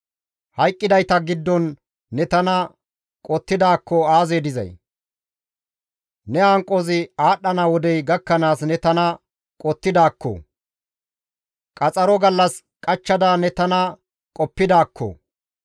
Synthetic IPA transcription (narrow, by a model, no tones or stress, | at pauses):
hɐjkʼːɪd̪ɐjt̪ɐɡɪd̪ːɔnː | ɛt̪ɐnɐ | kʼɔt̪ːɪd̪aːkːɔaːzeːd̪ɪzɐ̰j | nɛaːŋkʼːɔzɪaːɗːɐnawɔd̪ɛjɡɐkːɐnaːsnɛt̪ɐnɐ | kʼɔt̪ːɪd̪aːkːɔ̰ | kʼɐt͡sʼɐɾɔɡɐlːɐs | kʼɐt͡ʃːɐd̪aːnɛt̪ɐnɐ | kʼɔpːɪd̪aːkʰːɔ̰